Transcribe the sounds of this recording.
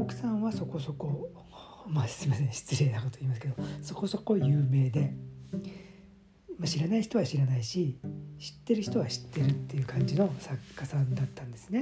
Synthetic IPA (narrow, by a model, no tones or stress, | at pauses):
okɯ̟̥sãβaso̞ko̞so̞ko̞ | massɨɾimasẽ̞ɕi̥t͡sɨɾe̞ːnakot̪oiːmasɨ̥ke̞d̪o̞so̞ko̞so̞ko̞jɯ̟ːme̞ːd̪e̞ | maɕiɾanaiçi̥t̪o̞βaɕiɾanaiɕiɕi̥t̪ːe̞ɾɯ̟çi̥t̪o̞βaɕi̥t̪ːe̞ɾɯ̟t̪ːe̞jɯ̟ːkãɲ̟d͡ʑino̞sakːasãnd̪at̪ːãnd̪e̞sɨne̞